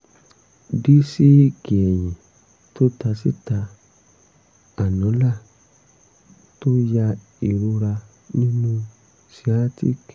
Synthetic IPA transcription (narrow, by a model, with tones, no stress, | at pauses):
di˦si˦˨ki˨ɛ˨j̃ĩ˨ | to˦ta˧si˦ta˧ | a˨nɔ̃˨˦la˦˨ | to˦ja˧ | i˨ɾu˧ɾa˧ | nĩ˦nũ˦ | si˦a˦tḭ˦k